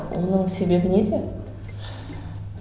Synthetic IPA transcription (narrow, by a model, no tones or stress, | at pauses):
wʔo̰nəɴse̞be̞bɪned̪e̞